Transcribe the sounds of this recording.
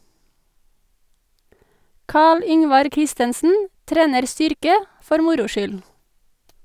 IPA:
ˈkɑːɭ ˈʏŋʋɑɾ ˈkɾɪstənsn̩ ˈtɾeːnəɾ ˈstʏɾkə ˈfɔɾ ˈmʊɾʊ ˈʃʏl

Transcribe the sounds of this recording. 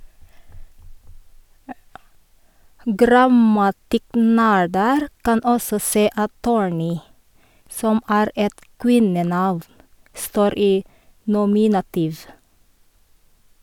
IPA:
ˈɡɾɑmɑtɪˌknæːɖəɾ ˈkɑn ˈɔsɔ ˈseː ˈɑt ˈtuːɹˌniː ˈsɔm ˈæːɾ ˈɛt ˈkwɪnəˌnɑʋ ˈstoːɾ ˈiː nʊˈmɪnɑtiːʋ

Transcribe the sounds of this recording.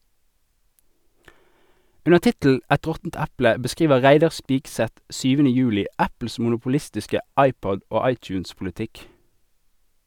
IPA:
ˈʉnəʁ ˈtɪtl̩ ˈɛt ˈʁɔtn̩t ˈæplə bəˈskʁiːʋə ˈʁæɪdɑʁ ˈspiːksɛt ˈʃyːʋənə ˈjʉːlɪ ˈæpl̩s mʊnʊpʊˈlɪstɪskə ˈɑɪˌpɔd ˈoː ˈɑɪˌt͡ʃʉːnspʊləˌtɪk

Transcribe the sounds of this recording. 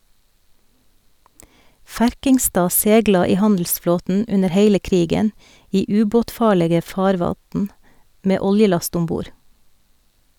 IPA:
ˈfæɾkɪŋˌstɑː ˈseːɡlɑ ˈiː ˈhɑndl̩sˌfloːtn̩ ˈʉnəɾ ˈheɪlə ˈkɾiːɡən ˈiː ˈʉːboːtˌfɑːɭeːɡə ˈfɑːɾʋɑtn ˈmeː ˈɔljəˌlɑst ˈʊm ˈbuːɾ

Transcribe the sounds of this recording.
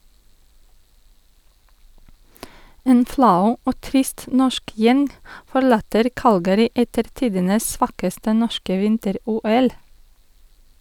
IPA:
ˈeːn ˈflɑʉ ˈoː ˈtɾɪst ˈnɔʃk ˈjɛŋ fɔˈɭɑːtəɾ ˈkɑlɡəɾɪ ˈʔɛtəɾ ˈtiːdənəs ˈsʋɑːkəstə ˈnɔʃkə ˈʋɪntəˌɾuːˌɛl

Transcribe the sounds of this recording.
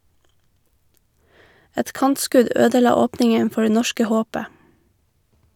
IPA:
ˈɛt ˈkɑntˌskʉd ˈøːdəˌlɑː ˈoːpnɪŋən ˈfɔ ˈɖeː ˈnɔʃkə ˈhoːpə

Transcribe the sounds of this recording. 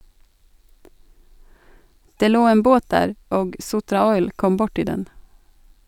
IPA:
ˈdeː ˈloː ˈeːn ˈboːt ˈdæːɾ ˈoːɡ ˈsʊtɾɑˌɔʏl ˈkɔm ˈbʊʈɪ ˈdɛn

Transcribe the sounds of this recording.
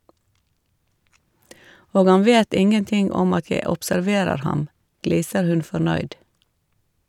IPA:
ˈoːɡ ˈɑn ˈʋeːt ˈɪŋənˌtɪŋ ˈɔm ˈɑt ˈjæɪ ɔpsæɾˈʋeːɾəɾ ˈhɑm ˈɡliːsəɾ ˈhʉn fɔɾˈnœʏd

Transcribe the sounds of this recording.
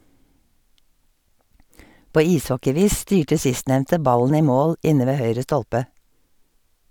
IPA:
ˈpoː ˈiːsˌhɔkɪˌʋiːs ˈstyːʈə ˈsɪstˌnɛʋntə ˈbɑlən ˈiː ˈmoːl ˈʔɪnə ˈʋeː ˈhœʏɹə ˈstɔlpə

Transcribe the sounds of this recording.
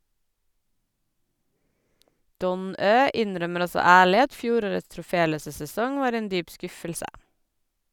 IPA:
ˈdɔn ˈøː ˈɪnˌɾœməɾ ˈɔsɔ ˈæːɭɪ ˈɑt ˈfjuːˌɾoːɹəts tɹʊˈfeːˌløːsə sɛˈsɔŋ ˈʋɑːɾ ˈeːn ˈdyːp ˈskʉfəlsə

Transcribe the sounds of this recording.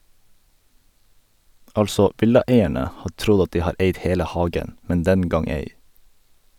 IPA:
ˈɑlsɔ ˈʔʋɪlɑˌeɪæɳə ˈhɑː ˈtɾʊɟ ˈɑt ˈdiː ˈhɑːɾ ˈeɪd ˈheːlə ˈhɑːɡən ˈmɛn ˈdɛn ˈɡɑŋ ˈeɪ

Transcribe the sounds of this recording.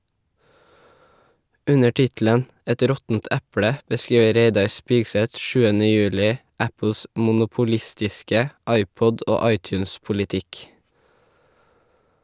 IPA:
ˈʉnə ˈʈɪtl̩ən ˈɛt ˈɾɔtn̩t ˈʔʉpɽə bəˈskɹiːʋə ˈɾeɪdɑɾ ˈspɪɡsɛt ˈʃʉːənə ˈjʉːlɪ ˈæpl̩s ˌmʊnʊpʊˈlɪstɪskə ˈɑɪˌpɔd ˈoː ˈɑɪˌtjʉːnspʊlɪˌtɪk

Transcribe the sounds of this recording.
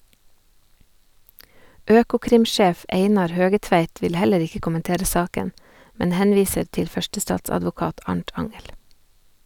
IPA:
ˈøːkʊˌkɾɪmˌʃeːf ˈeɪnɑɾ ˈhøːɡəˌtʋæɪt ˈʋɪl ˈhɛləɾ ˈɪkə kʊmənˈteːɾə ˈsɑːkən ˈmɛn ˈhɛnˌʋiːsəɾ ˈtɪl ˈfœʃtəˌstɑːtsɑdʋʊˌkɑːt ˈɑɳʈ ˈɑŋɛl

